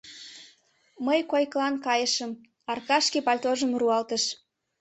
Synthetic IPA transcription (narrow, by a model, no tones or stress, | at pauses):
məjkojklɑnkɑjəʃəm | ɑrkɑʃkipɑlʲt̪oʒəmruɑlt̪əʃ